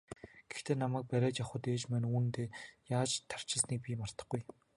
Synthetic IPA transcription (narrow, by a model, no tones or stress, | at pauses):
ɡ̥e̥xt̪ʰeːnamæːk̚pæɾʲæːt͡ɕjaχʊ̆t̪eːt͡ɕmænuːn̆t̪eːjaːt͡ɕt̪ʰːar̥t͡ɕɪ̆ɮsniːk̚pʲimar̥t̪ə̆χɡuj